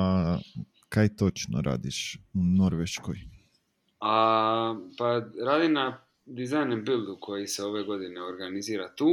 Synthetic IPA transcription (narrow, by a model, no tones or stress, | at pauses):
a | kajt̪ot͡ʃno̰ɾʔa̰ːd̪iʃuno̞ɾʋeʃkoj | a | paɾaːd̪ina | d̪izajnembilˠd̪ukʰo̞jiseo̞ʋeɡo̞d̪ineoɾɡaniziːɾat̪uː